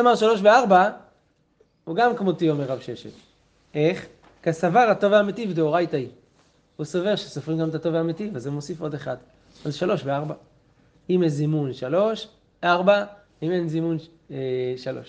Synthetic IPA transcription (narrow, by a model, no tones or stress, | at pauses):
amaʁʃalo̞ʃ̬veaʁba | huɡamkmot̪iomeʁːavʃeʃḛl | e̞χ | kasavaʁato̞vamet̪ivd̪eoʁajt̪ai | husove̞ʁʃesofʁimɡamet̪at̪o̞vamet̪ivazemo̞sifo̞d̪e̞χad̪ | alʃalo̞ʃveaʁba | imenzimunʃalo̞ʃ | ʔaʁba | ime̞nzimun | ʃalo̞̰ʃ